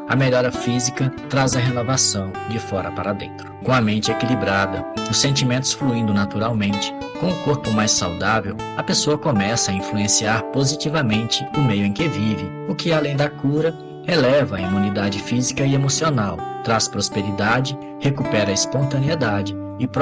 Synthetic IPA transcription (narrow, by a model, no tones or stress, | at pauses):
ɐ̰meʎɔɾɐfizikɐt̪ɾazɐɦenovasɐ̃w̃d͡ʒɪfɔɾɐpaɾɐd̪ḛ̃nt̪ɾʊ̥kõɐmẽnt͡ʃɪekilibɾad̪ɐʊsːẽnt͡ʃimẽnt̪ʊ̥sfluĩnd̪ʊnat̪uɾawmẽnt͡ʃɪ̥ | kõʊkoɾpʊmajsːawd̪avew | ɐpesoɐkomɛsɐːĩfluẽsiaɾpozit͡ʃivɐmẽnt͡ʃɪʊmejʊẽj̃kɪvivɪ | ʊkɪalẽj̃d̪ɐkuɾɐ | elɛvɐːimũnid̪ad͡ʒɪfizikɐɪemosionawt̪ɾaspɾospeɾid̪ad͡ʒɪ | hekupɛɾɐispõnt̪ɐ̃nied̪ad͡ʒɪ | ɪp